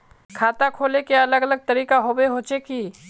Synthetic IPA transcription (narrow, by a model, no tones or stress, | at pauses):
kʰaːt̪akʰoːlekeɐləɡɐləɡ̚t̪ɐɾiːkaɦoːweɦoːt͡ʃekiː